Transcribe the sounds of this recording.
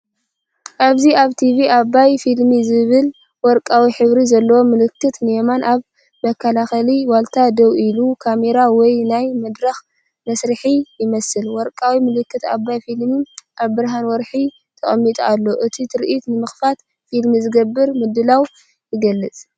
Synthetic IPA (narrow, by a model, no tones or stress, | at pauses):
ʔaβziaβt̪ʰiβiaβajfilmizɨβɨl | wɔɾkʼawiħɨβɾizɐlːɐwo̞mɨlɨkːɨt̪nemanʔaβ | mɐkʰːɐlaxɐliwalt̪ʰad̪ɐwilukʰame̞ɾawɔjnajmɐd̪ɾɐx | mɐsɾɨħijɪmɐsɨlwɔɾkʼawimɨlɨkːɨt̪aβːajfilmiʔaβbɨɾɦanwɔɾħi | t̪ʰɐχʼɐmːit̪ʼualːo̞ʔɨt̪ʰit̪ʰɨɾʔit̪nɨmɨxfat̪ | filmizɨɡɐbːɨɾmɨd̪ːɨlaw | jɪɡɐlːɨt͡sʼ